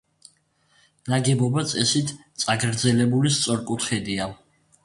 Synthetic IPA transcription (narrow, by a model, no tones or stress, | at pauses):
naɡɛbɔbat̪sʼɛsit̪ʰt̪sʼaɡɾd̪zɛlɛbulist̪sʼɔɾkʼut̪χɛd̪ia